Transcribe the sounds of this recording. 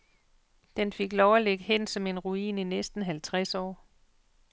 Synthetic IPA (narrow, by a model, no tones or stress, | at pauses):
d̥enfe̝ɡ̥lɒʊɐleɡ̥hen̰sɒ̽me̝nʁuḭːninesd̥n̩ɦælt͡sʰʁasɒ̰ː